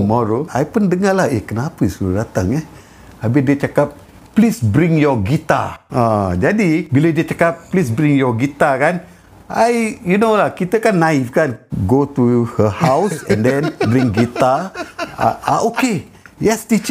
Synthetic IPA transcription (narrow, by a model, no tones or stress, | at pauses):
mɔɾoʔajpʊndəŋalahekənapəsuludat̪aŋɛ | abɪdiət͡ʃakap̚ | plisbɾɪ̃ŋjɔɡit̪a̰ad͡ʒadibilədiət͡ʃakap̚plis̬bɾɪŋjɔɡit̪akan | ʔajjunolahkit̪əkanːaifkanɡot̪uhəhawsɛ̰̃ndɛ̃nbɾɪ̃ŋɡit̪a̰ | aoke | jɛstit͡ʃ